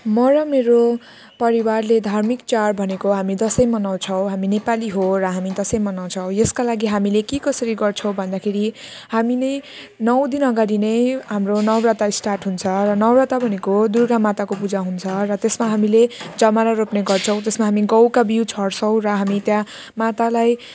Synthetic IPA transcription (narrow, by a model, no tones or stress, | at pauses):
mʌɾʌmeɾo | pʌɾiwarled̪ʱarmikt͡sarbʱʌnekoɦamid̪ʌsʌjmʌnaw̃t͡sʰʌw̃ɦaminepaliɦorʌɦamid̪ʌsʌjmʌnaw̃t͡sʰʌw̃jeskalaɡiɦamilekekʌsʌɾiɡʌrt͡sʰʌ̃w̃bʱʌnd̪akʰeɾi | haminʌj | nʌwd̪inʌɡaɽinʌjɦamronʌwrat̪aisʈarʈɦunt͡sʰʌɾʌnʌwrat̪abʱʌnekod̪urɡamat̪akopud͡zaɦunt͡sʰʌrʌt̪esmaɦamiled͡zʌmaɾaɾopneɡʌrt͡sʰʌ̃w̃t̪esmaɦamiɡʌwkabiwt͡sʰʌɽt͡sʰʌw̃rʌɦamit̪jã | mat̪alaj